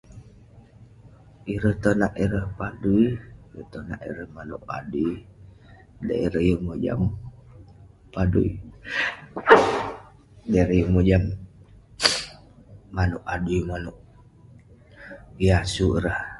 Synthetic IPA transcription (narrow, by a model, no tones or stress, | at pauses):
iɾəht̪onaʔiɾəhpaduiɾət̪ona̰ʔḭɾəhmanṵʔa̰dui | da̰iɾəhjəŋmod͡ʒa̰m | padṵḭ | daiɾəjəŋmod͡ʒam | anuʔaduimanoʔ | iasuɾəh